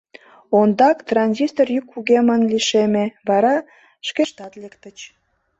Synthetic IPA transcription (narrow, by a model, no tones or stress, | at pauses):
ond̪ɑkt̪rɑnʲzʲist̪orjykːuɣemɑnliʃemeβɑɾɑ | ʃkeʃt̪ɑt̪lekt̪ət͡ɕ